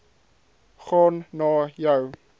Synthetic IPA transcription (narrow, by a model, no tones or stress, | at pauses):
χɔnnɔːjəw